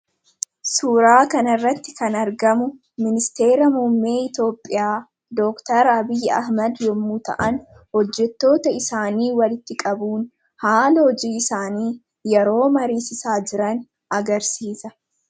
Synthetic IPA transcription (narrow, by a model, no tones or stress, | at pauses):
suːɾaːkɐnɐrːɐt̪ːɪkɐnɐɾɡɐmʊ | mɪnɪst̪e̞ːɾɐmumːe̞ːɪt̪o̞ːpʼːɪjaː | d̪oːkt̪ɐɾɐbɪjːɐ̰hmɐd̪jɔmːut̪ɐ̰ʔɐn | hɔd͡ʒːɛt̪ːo̞ːt̪ɐɪsaːniːwɐlɪt̪ːɪkʼɐbuːn | haːlɐhɔd͡ʒiːɪsaːniː | jɛɾo̞ːmɐɾiːsɪsaːd͡ʒɪɾɐn | ɐɡɐɾsiːsɐ